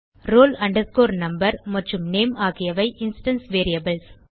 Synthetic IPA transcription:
ɾoːlɐɳɖɐɾskoːɾnɐmbɐɾmɐʈrɯmneːmaːɣɪjɐʋɐɪʔɪnsʈɐnsʋeːɾɪjɐbɐls

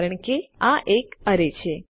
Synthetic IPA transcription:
ɾəɳ̃keaʔekəɾet͡ʃʰe

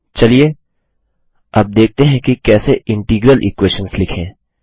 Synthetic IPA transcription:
t͡ʃɐlie | ɐb̚d̪eːk̚t̪eɦɛ̃kikɛːseɪ̃ɳʈiːɡɾəlʔɪ̰kweːʃənslɪkʰẽː

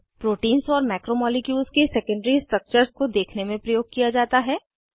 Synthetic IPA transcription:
pɾoːʈiːnzɔːɾmɛːkɾomɔːlikjuːzkesɛkə̃ɳɖəɾisʈɾɐk̚t͡ʃəɾskod̪eːkʰnemẽpɾɐjoːɡ̚kijad͡ʒaːt̪aɦɛː

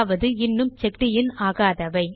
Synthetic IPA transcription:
ʋɐðɯɪnːɯmt͡ʃɛk̚ʈɪjɪnaːɣaːðɐʋɐɪ

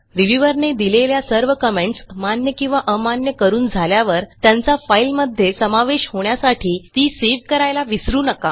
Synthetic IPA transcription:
ɾiʋjuʋəɾned̪ileljasəɾʋəkəmeɳʈsmanjəkĩw̃ʋaʔəmanjəkəɾuːnd͡zʱaljaʋəɾt̪jant͡safajlməd̪ʱːjesəmaʋeɕhoɳjasaʈʰiːt̪iːseʋkəɾajlaʋisɾuːnəka

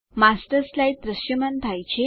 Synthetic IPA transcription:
masʈəslait̪ɾəɕjəmənt̪ʰajt͡ɕe

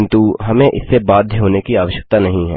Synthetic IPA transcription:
ɪnt̪uɦɐmẽʔɪ̰sːebaːd̪ʱjɦoːnekiaːʋəʃjək̚t̪anɐɦĩɦɛ̰ː

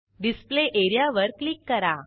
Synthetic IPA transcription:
ɖispleʔeɾjaʋəɾklikːəɾa

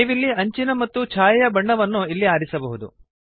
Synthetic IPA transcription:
ʋilːiɐɲt͡ʃinɐmɐt̪ːut͡ʃʰaːjɐjɐbɐɳːɐʋɐnːuilːiaːɾisɐbɐɦud̪ṵ

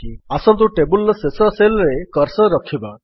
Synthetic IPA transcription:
iasɔnt̪uʈebulsesɔselɾekɔɾsɔɾɔkʰiba

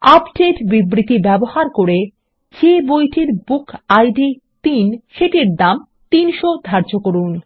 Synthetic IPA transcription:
apɖeʈbibɾit̪ibɛboɦaɾkoɾe | d͡ʑebojʈʰiɾbukʰajɖi | t̪inʃeʈeɾd̪am | t̪inʃod̪ʱaɾd͡ʑokoɾun

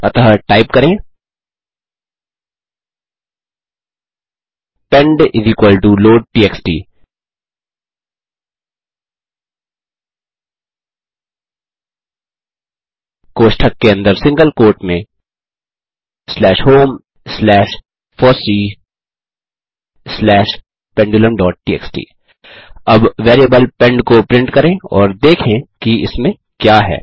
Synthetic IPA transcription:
ɐt̪ɦəʈaːɪpkɐɾẽː | pɛ̃ɳɖɪziːkwəlɖuːloːɖ̚ʈiːeːksʈḭː | koːʃʈʰəkːeɐ̃nd̪əɾsɪ̃ŋɡəlkoːɾʈmẽ | slɛːʃɦoːm | slɛːʃ | fɔːsiː | slɛːʃ | pɛ̃ɳɖuːlə̃nɖɔːʈ̚ʈiːḛːksʈḭː | ɐbʋeːɾiəbəlpɛ̃ɳɖkopɾɪ̃ɳʈkɐɾẽɔːɾd̪eːkʰẽkiɪsmẽ | kjaːɦɛ̰ː

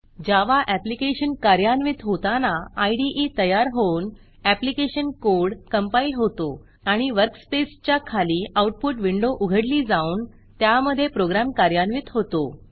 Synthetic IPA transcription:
d͡ʑaʋaʔæplikeɕənkaɾjanʋit̪ɦot̪anaːjɖiʔit̪əjaɾɦoun | æplikeɕənkoɾɽkəmpailɦot̪o | aɽ̃iʋəɾkspest͡ɕjakʰaliːawʈ̚puːʈʋiɳɖoʔuɡʱəɽliːd͡zauːn | t̪jaməd̪ʱːjepɾoɡɾamkaɾjanʋit̪ɦot̪o

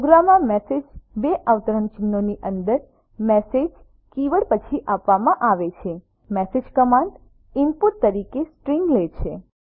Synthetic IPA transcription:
ɡɾamãmɛsed͡ʒbeʔaʋt̪əɾəɳt͡ʃɪnːoniʔənd̪əɾ | mɛsed͡ʒ | kiʋəɽpət͡ʃʰiʔapʋamãʔaʋet͡ʃʰe | mɛsed͡ʒkəmãɳɖ | ɪmpuʈt̪əɾikesʈɾiŋɡlet͡ʃʰe

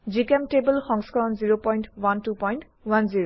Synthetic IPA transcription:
zikɛmtebəlxɔŋskaɹɔnziɹopɔjntwantupɔjnt | wanziɹo

